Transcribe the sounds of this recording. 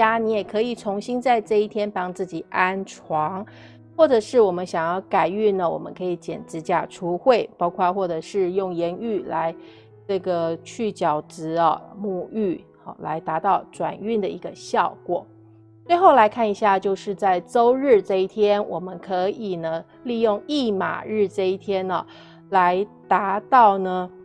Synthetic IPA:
a˥ni˧˥jɛ˨˩kʰɤ˧˥i˨˩t͡sʰʊ˧˥ŋɕi˥nt͡sa˥˧ɪʈ͡ʂɤ˥˧i˥˩t̪ʰjɛ˥npɑ˥ŋt͡sɹ̩˥˩t͡ɕi˨˩ʔa˥nʈ͡ʂʰwɑ˧˥ŋ | xwɔ˥˩ʈ͡ʂɤ˨˩ʂɻ̩˥˩wɔ˨˩mə˦nɕjɑ˨˩ŋjɑ˥˩ʊka˨˩ɪy˥˩nə˩wɔ̰˨˩mə̰˦nkʰɤ˧˥i˧˥t͡ɕjɛ̰˨˩nʈ͡ʂɻ̩˧˥t͡ɕja̰˥˩ʈ͡ʂʰu˧˥xwe˥˩ɪpɑ˥ʊkʰwɔ˥˧xwɔ˥˩ʈ͡ʂɤ˨˩ʂɻ̩˥˧jʊ˥˩ŋjɛ˧˥ny˥˩la˧˥ɪ | ʈ͡ʂɤ˥˩ɡə˩t͡ɕʰy˥˩t͡ɕjɑ˨˩ʊʈ͡ʂɻ̩˧˥ɐ˧mu˥˧y˥˩ | ɐ̰˧˩la̰˧˥ɪt̪a˧˥t̪ɑ˥˩ʊʈ͡ʂwa̰˨˩ny˥˩nd̪ə˩i˧˥ɡə˧ɕjɑ˥˩ʊkwɔ̰˨˩˦ | t͡swe˥˧ɪxo˥˩ʊla˧˥ɪkʰa˥˩ni˧˥ɕja˥˧t͡ɕjo˥˧ʊʂɻ̩˥˧t͡sa˥˩ɪt͡so˥ʊɻɻ̩˥˧ʈ͡ʂɤ˥˧i˥˩t̪ʰjɛ˥nwʔɔ˨˩mə˦nkʰɤ˧˥i˨˩nə˦ | li˥˧jʊ˥˧ŋi˥˩ma̰˨˩ɻɻ̩˥˧ʈ͡ʂɤ˥˧i˥˩t̪ʰjɛ˥nɐ˨˩ | la˧˥ɪt̪a˧˥t̪ɑ˥˩ʊnə˩

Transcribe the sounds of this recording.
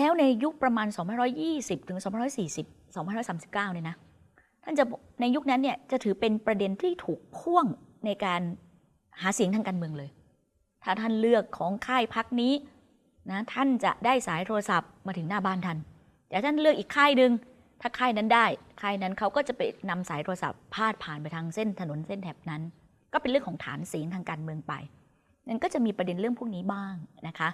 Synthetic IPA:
lɛː˦˥wna˧jju˦˥k̚pɾa˧maː˧nsɔː˩˦ŋpa˧˥˨ɾɔː˦˥jːiː˥˩si˨˩p̚t̪ʰɯ˩˦ŋsɔː˨˦pa˧ɾɔ˦˥jsiː˨˩si˨˩p̚sɔː˩˦pa˧˨ɾɔ˦˥saː˨˩˦msi˨˩pkaː˥˩wni˥˩na˦˥ | t̪ʰa˥˩nt͡ɕa˨˩ | na˧jːu˦˥k̚na˦˥nːi˥˩ət͡ɕa˨˩t̪ʰɯː˩˦pe˧npɾa˧de˧nt̪ʰiː˥˩t̪ʰuː˨˩k̚p̪ʰu˥˩əŋna˧jkaː˧n | haː˩˦si˨˩˦əŋʰaː˧kaː˧nmɯ˧əŋlɤː˧j | t̪ʰaː˥˩t̪ʰa˥˩nlɯ˥˩əkʰːɔː˩˦ŋkʰaː˥˩jpʰa˦˥k̚niː˦˥ | na˦˥t̪ʰa˥˩nt͡ɕa̰˨˩ʔdaː˥˩jsaː˩˦jt̪ʰoː˧ɾa˧sa˨˩p̚maː˧t̪ʰɯ˩˦naː˥˩baː˥˩nt̪ʰa˥˩n | t̪ɛː˨˩t̪ʰa˥nlɯ˥˩ək̚ʔiː˨˩kʰːaː˥˩jnɯ˧ŋ | t̪ʰaː˥˩kʰaː˥˩jna˦˥ndaː˥˩jkʰaː˥˩jna˦˥nkʰa˦˥wkɔː˥˩t͡ɕa˨˩pa̰˧jna˧msaː˩˦jt̪ʰːa˧sa̰˨˩pʰːaː˥˩t̪̚pʰaː˨˩npa˧jt̪ʰaː˧ŋse˥˩nt̪ʰa˧no˨˩˦nse˥˩nt̪ʰɛː˨˩p̚na˦˥n | kɔː˥˩pe˧nɾɯ˥˩əŋkʰːt̪ʰa̰ː˩˦nsi˩˦ŋt̪ʰaː˧ŋkaː˧nmɯ˧əŋpa̰˧j | na˥˩nkɔː˥˩t͡ɕa˨˩ʔmiː˧pɾa˧de˧nɾɯ˥˩əŋpʰu˥˩k̚niː˦˥baː˥˩ŋna˦˥kʰa˦˥ʔ

